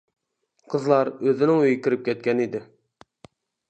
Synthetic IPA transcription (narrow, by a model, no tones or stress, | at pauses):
qʰəzlˠɑɾøzɪnɪŋøjikʲiɾɪp̚kʲɛt̪̚kʲɛnid̪ɪ